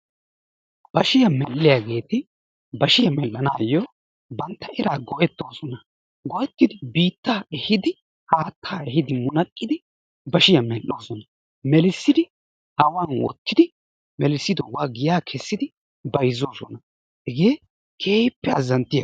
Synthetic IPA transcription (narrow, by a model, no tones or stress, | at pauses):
b̥ɐʃɪjɐmɛlːɪjaːɡe̞ːt̪ɪ | bɐʃɪjɐmɛlːɐnaːjɔ | bɐnt̪ːɐʔɛɾaːɡɔʔɛt̪ːo̞ːsɔnɐ | ɡɔʔɛt̪ːɪd̪ɪbiːt̪ːaːɛhɪd̪ɪ | haːt̪ʰːaːɛhɪd̪ɪmʊnɐkʼːɪd̪ɪ | bɐʃɪjɐmɛlːoːsɔnɐ | mɛlɪsːɪd̪ɪ | hɐwaːnwɔ̰t̪ːɪd̪ɪ | mɛlɪsːɪd̪ɔwaːɡɪjaːkʰɛsːɪd̪ɪ | bɐjzoːsɔ̰nɐ | hɪɡe̞ː | kʰeːjpːɛɐzɐnt̪ːɪjɐ